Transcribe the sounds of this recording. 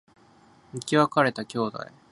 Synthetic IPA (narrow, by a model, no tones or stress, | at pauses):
mikʲiβakaɾe̞t̪akʲo̞ːd̪a̰i